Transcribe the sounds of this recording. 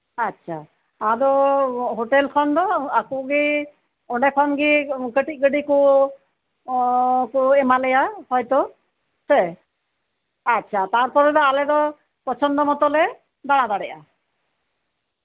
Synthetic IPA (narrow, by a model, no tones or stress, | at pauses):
atːt͡ʃʰa | ad̪ɔɦoʈelkʰɔnd̪ɔakuɡi | ɔɖɛkʰɔnɡikəʈik̚ɡəɖiku | kuɛmalɛjahɔjt̪ɔ | sɛ | atːt͡ʃʰat̪aɾpɔɾɛd̪ɔalɛd̪ɔ | pɔt͡ʃʰɔnd̪ɔmɔt̪ɔlɛ | d̪aɽ̃ad̪aɽɛʔa